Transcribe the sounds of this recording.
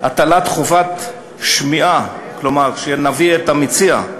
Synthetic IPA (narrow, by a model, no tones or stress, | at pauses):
at̪alat̪χovat̪ | ʃmiʔa | klomaʁʃenaviet̪amit͡sia̰